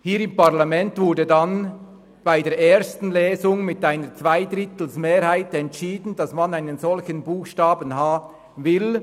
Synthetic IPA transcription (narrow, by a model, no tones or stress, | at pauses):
hiːɾɪmpaʁlamɛntv̥ʊɐdədan | b̥aɪdeːɐeːɐstn̩lɛːzʊŋmɪtaɪnət͡sv̥aɪdʁɪtl̩smeːʁhaɪtɛntʃiːdn̩dɑsmanaɪnənzɔlçənbuːxʃtaːbənɦaːbə | vɪl